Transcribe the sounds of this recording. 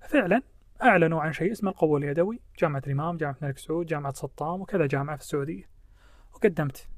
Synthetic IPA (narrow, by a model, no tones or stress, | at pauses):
fɪʕlan | ʔaʕlanuʕanʃeːʔɪsmalqʊwːaljad̪awid͡ʒaːmaʕat̪lʔɪmaːmd͡ʒaːmaʕatmalɪksʕuːd̪̚d͡ʒaːmaʕat̪sˤɑt̪ˤːɑːmwkɪðad͡ʒaːmaʕafi̥sːaʕuːd̪ɪjːa | wɡad̪ːamt̪